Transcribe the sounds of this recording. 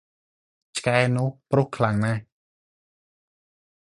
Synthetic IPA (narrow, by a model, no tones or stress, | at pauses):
t͡ɕʰkaɛnʊ̆əhpruhkʰlaŋna